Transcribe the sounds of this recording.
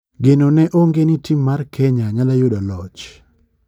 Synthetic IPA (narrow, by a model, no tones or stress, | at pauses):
ɡenonɛʔoŋɡenitimːarkʰɛɲaɲalajodɔlɔt͡ʃ